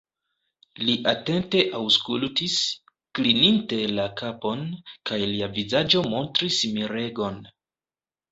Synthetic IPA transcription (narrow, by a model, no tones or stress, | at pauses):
liʔate̞nte̞ʔawskultis | klininte̞lakʰapo̞nkajliavizad͡ʒo̞mo̞ntɾismiɾe̞ɡo̞n